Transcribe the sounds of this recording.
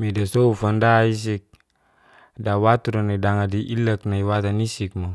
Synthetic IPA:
midasoufandais̬ik̚ | dawat̪uɾanidaŋadiʔilək̚naiwat̪anisik̚mo

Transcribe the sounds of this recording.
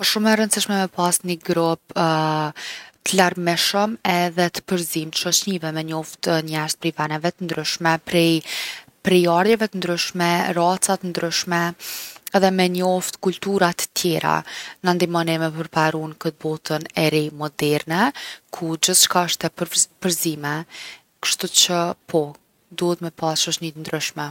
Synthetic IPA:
ɔʃumɛɾənsiʃmɛmɛpasniɡɾɔp̚ | t̪əlaɾmiʃəmɛðɛt̪ə̥pəɾzimt̪ʃɔt͡ɕnivɛmɛɲɔft̪ɲɛɾt̪̚pɾivanɛvɛt̪ənd̪ɾyʃmɛpɾɛ | pɾɛjaɾjɛvɛt̪ənd̪ɾyʃmɛɾat͡sat̪ənd̪ɾyʃmɛ | ɛðɛmɛɲɔft̪kult̪uɾat̪ə̥t̪jɛɾa̰nand̪imɔnɛmɛpəɾpaɾunkət̪̚bɔt̪ənɛɾimɔd̪ɛɾnɛkʰud͡ʒəθt͡ʃkaəʃt̪ɛpəpəɾzimɛ | kə̥ʃt̪ut͡ʃəpʰɔ | d̪uhət̪mɛpasʃɔʃnit̪ənd̪ɾyʃmɛ

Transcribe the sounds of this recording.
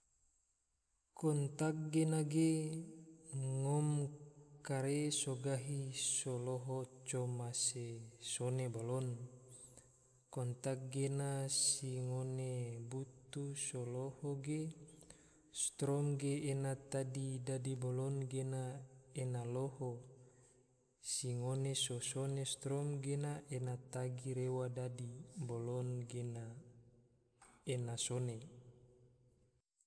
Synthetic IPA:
kɔnt̪ak̚ɡenaɡe | ŋɔmkaɾesoɡaɦisoloɦot͡ʃɔmasesonebolɔn | kɔnt̪ak̚ɡenasiŋonebut̪usolohoɡe | st̪ɾɔmɡeːnat̪adidadibolɔnɡenaenaloho | siŋonesosonest̪ɾɔmɡenaʔenat̪aɡiɾewadadibolɔnɡena | enasone

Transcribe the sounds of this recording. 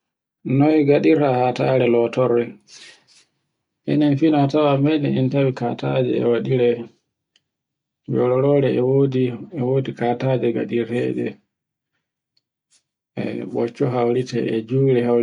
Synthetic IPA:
nɔiɡaɗiɾhahataɾɛlɔtɔɾːɛ | ʔɛ̰nɛnfinɔtawamɛnɛintawika̰ta̰d͡ʒɛ̰ɛ̰waɗiɾɛ | d͡ʒɔlɔɾɔɾɛwodiɛwoːdikatad͡ʒɛɡa̰ɗiɾɛɗɛ̰ | ɛ̰ɓɔ̰t͡ʃːɔɦawɾitɛ̰ɛd͡ʒuːɾɛhaw

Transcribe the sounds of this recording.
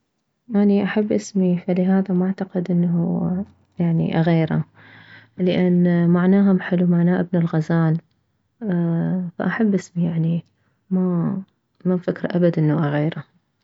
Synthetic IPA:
ʔaniʔaħabːʔɪsmifalɪɦaːðamaʕt̪aqɪd̪ʔɪnːɦu | jaʕnḭʔaɣeːɾa̰ | lɪʔanːmaʕnaːɦʊmħɪlːumaʕnaːʔɪbnɪlɣazaːn | fa̰ʔaħabːʔɪsmijaʕni | ma | mafakɾʔabad̪ʔɪnːaʔaɣeːɾˤa

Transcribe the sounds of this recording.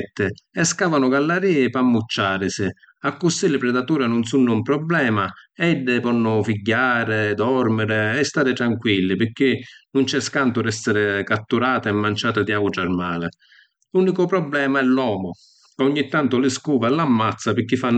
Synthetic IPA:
t̪ːɪɛskaːvanʊɡalːaɾiːpamːut͡ʃːaːɾɪsɪ | akːʊsilɪpɾɛd̪at̪uːɾanʊnsunːʊmpɾɔblɛːmaɛd̪ːɪpɔnːʊfiɟːaːɾɪd̪ɔɾmɪɾɪɛst̪aːɾɪt̪ɾaŋkwilːɪpɪk̟ːɪnʊnt͡ʃɛskant̪ʊɾɛsːɪɾɪkat̪ːuɾaːt̪ɪɛmːant͡ʃaːt̪ɪd̪jaːɡʊʈ̪ɾaɾmaːlɪ | luːnikʊpɾɔblɛːmaɛlːɔːmʊ | kaʊɲːit̪ːant̪ʊlɪskuːvaɛlːamːat̪sːapɪk̟ːifːanː

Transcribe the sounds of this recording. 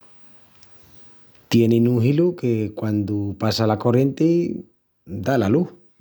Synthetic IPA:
t̪jeninuɦilukekwand̪upasalakorjent̪e | d̪alaluh

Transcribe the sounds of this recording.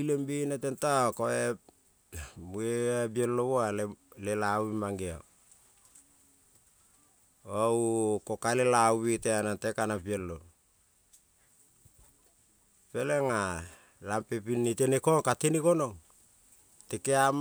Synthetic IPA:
ilembinatentaokoe | mueabieloβoalelelawimaŋɡea̰ | owkokalelawiteanatekanapielːo | peleŋa | lampepinːitenekoŋkatinikono̞ŋ | tekeam

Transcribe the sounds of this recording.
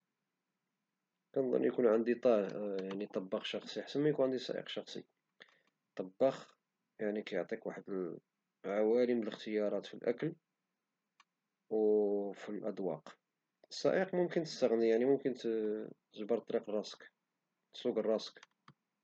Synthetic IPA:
kænd̪ˤə̰njkunʕənd̪it̪ˤɑjaʕnit̪ˤːɑbːɑxʃɑxsˤiħḁsːənmæjkunʕənd̪isˤɑ̰ʔḭqʃɑxsˤḭ | t̪ˤːɑbːɑx | jaʕnikæjoʕt̪ˤikwaħəd̪əl | ʕawælimələxt̪əjɑɾˤɑt̪filʔæ̰kəl | wfilʔæd̪wɑ̰q | əsˤːɑ̰ʔiqmʊmkənt̪ə̥st̪əɣnijaʕnimʊmkənt̪t̪əʒbɑɾt̪ˤːɑɾiqrˤːɑsk | sˤuɡərˤːɑsk

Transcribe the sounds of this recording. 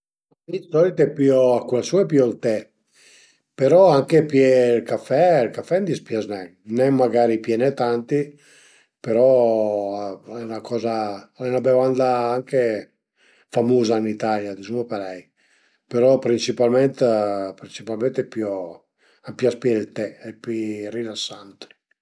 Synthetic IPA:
aisɔɾit̪ɛpioakulasuɛpiɔlt̪ɛ | peɾɔaŋkepjelkafɛlkafɛnd̪ispjaznɛnɛmːaɡaːɾipjɛnɛt̪ant̪i | peɾɔ | ɛnakɔːzaɛnabevand̪aaŋke | famuːzainit̪aljad̪izumopaɾɛj | peɾɔpɾint͡ʃipalmɛnt̪pɾint͡ʃipalmɛ̃nt̪ɛpjɔ | ampjaspjɛlt̪ɛɛpirilasːant̪

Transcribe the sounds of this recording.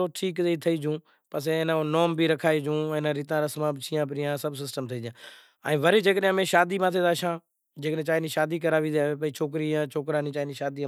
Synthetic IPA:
oːʈʰiːkeiːt̪ʰəiːd͡ʒũː | pəsenãːnoːmbiːɾəkʰaːiːd͡ʒũːẽːnãːɾiːt̪ãːɾəsmãːbt͡ʃʰiːãːp̬ɾɪːãːsəbsɪsʈəmt̪ʰəiːd͡ʒãː | əĩːʋəɾeːd͡ʒeːkəɗãːmẽːʃaːd̪iːmãːt̪ʰeːd̪aːʃãː | d͡ʒeːkɗẽːt͡ʃaːiːnĩːʃaːd̪iːkəɾaːʋiːd̪eeːpəiːt͡ʃʰoːk̬ɾiːãːt͡ʃʰoːkɾãːnĩːt͡ʃaːiniːʃaːd̪iː

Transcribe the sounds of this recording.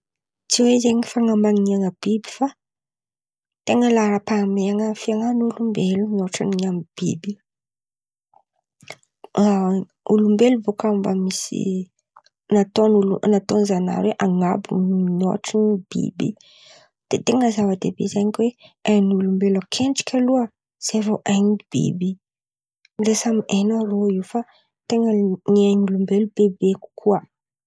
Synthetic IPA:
t͡siwezeɲifaŋambaŋiaŋəb̥ibi̥fa | t̪eŋəlaɾəpameaŋəfiaŋanulumbelunoʈ͡ʂaniɲamib̥ibi | ulumbeluvokambəmisḭ | nat̪onulunat̪onzana̰ɾweʔaŋabṵno̰ʈ͡ʂinb̥ḭbi | d̪̥et̪eŋəzavəd̪ḛbḛzajɲikʲweanulumbelakʰenʈ͡ʂi̥kʲaluə | z̥eɾoʔaɲiib̥ḭbi | lesamienoroifa | t̪eŋəniaɲulumbelub̥ebeku̥kʰua

